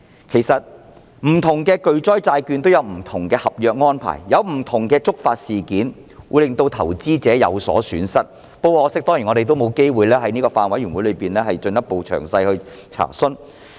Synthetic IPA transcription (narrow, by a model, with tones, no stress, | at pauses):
kʰe˨˩jsɐ˨t̚ | m̩˨˩t̪ʰʊ˨˩ŋkɛː˧kɵ˧ɥt͡sɔː˥jt͡saː˧jkyː˧nt̪o˥wjɐ˨˧wm̩˨˩t̪ʰʊ˨˩ŋkɛː˧hɐ˨p̚jœː˧k̚ŋɔː˥npʰa̰ː˨˩jːɐ˨˧wm̩˨˩t̪ʰʊ˨˩ŋkɛː˧t͡sʊ˥k̚faː˧t̚siː˨kiː˨˥n | wuː˨˧jlɪ˨ŋt̪o˧wt̪ʰɐ˨˩wt͡siː˥t͡sɛː˨˥jɐ̰˨˧wsɔ̰ː˨˥syː˨˥nsɐ˥t̚ | po˧wɔː˧˥sɪ˥k̚t̪ɔː˥ŋjiː˨˩ŋɔː˨˧te˨jt̪o˥wmo˨˧wke˥jwuː˨jlɛː˥hɐ˨˥jniː˥kɔː˧faː˧nwɐ˨˥jyː˨˩wu˨˥lɵ˨˧jpiː˨nɛː˥hɐ˨jt͡ʃɵ˧njɐ˥t̚po˨wt͡ʃʰœ̰ː˨˩ŋsɐ˧jhɵ˧ɥ | t͡sʰa̰ː˨˩sɵ˥n